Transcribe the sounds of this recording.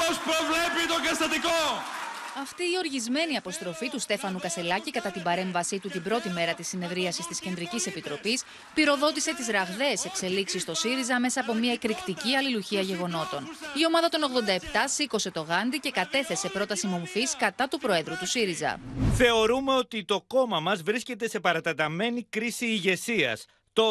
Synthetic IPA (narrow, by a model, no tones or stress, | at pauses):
pospɾovle̞pit̪oɡɐst̪ɐt̪iko | ɐft̪iːo̞ɾʝizme̞niɐpo̞st̪ɾo̞fit̪ust̪e̞fɐnukɐse̞lɐcikɐt̪ɐt̪ibɐɾe̞ɱvɐsit̪ut̪ibɾo̞t̪ime̞ɾɐt̪isːine̞ðɾiɐsist̪isce̞nd̪ɾicise̞pit̪ɾo̞pis | piɾo̞ðo̞t̪ise̞t̪izɾɐɣðe̞ːse̞kse̞liksist̪o̞siɾizɐme̞sɐːp̬o̞miɐekɾikt̪iciɐliluçiɐʝe̞ɣo̞no̞t̪o̞nio̞mɐðɐt̪o̞no̞ɣðo̞nd̪ɐe̞pt̪ɐsiko̞se̞t̪o̞ɣɐnd̪ice̞kɐt̪e̞θe̞se̞pɾo̞t̪ɐsimo̞ɱfiskɐt̪ɐt̪upɾo̞e̞ðɾut̪usiɾizɐ̰θe̞o̞ɾume̞o̞t̪it̪o̞ko̞mɐmɐzvɾisce̞t̪e̞se̞pɐɾɐt̪ɐt̪ɐme̞nikɾisiːʝe̞siɐ̰s | t̪o